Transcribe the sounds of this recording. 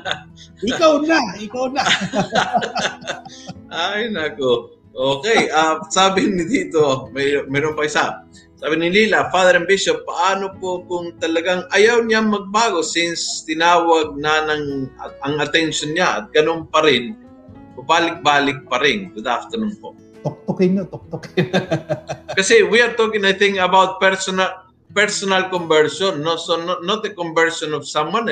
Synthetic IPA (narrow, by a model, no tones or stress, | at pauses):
ɪkawnaʔɪkawna | ʔajnɐko | ʔoːkɛjʔasaːbɪnɪd̪iːt̪o̞mɐjmɛɾompɐɪsa | saːbɪnɪliːlɐfaðɛɾɐnbiʃop̚ːɐʔaːnopokʊŋt̪ɐlɐɡaŋʔɐjawɲaŋmɐɡ̚baːɡo̞sɪnst̪ɪnaːwɐɡ̚nɐnɐŋɐɐŋɐt̪ɛnʃonɲaʔɐ̰t̪̚ɡ̥ɐnonpɐɾɪn | pʊbaːlɪk̚baːlɪk̚pɐɾɪnɡʊd̪aft̪əɹnumpo̰ʔ | t̪ʊk̚t̪okɪɲot̪ɔk̚t̪okɪ | kɐsɛwiɐɹt̪okɪ̃ŋajθɪ̃ŋkɐbawt̪̚pɛɹsona | pɛɹsonɐlkombɛɹʃonːosononot̪̚əkombɛɹʃonɔfsamwan